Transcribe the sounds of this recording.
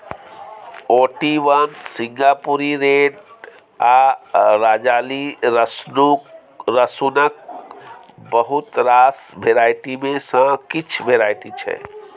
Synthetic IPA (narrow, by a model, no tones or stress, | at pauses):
oːʈiʋənsĩŋɡapuɾiɾeːɖ | aɾaːd͡ʒaːliɾəsnu | ɾəsunək̚ | bəɦut̪ɾaːsbʱeɾaːjʈ̪imẽsə̃kit͡ʃʰʋeɾaːjʈ̪it͡ʃʰɛ̰